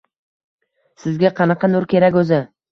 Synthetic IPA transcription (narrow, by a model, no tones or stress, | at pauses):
sɪzɡʲaqʰɑnɑqʰɑnʊɾkʲe̞ɾakʲɵzɪ